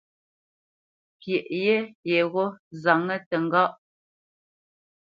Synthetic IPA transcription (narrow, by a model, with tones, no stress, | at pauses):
pje˨ʔje˦je˨ɣo˦za˨ŋə˦tə˨ŋ˦ɡa˦ʔ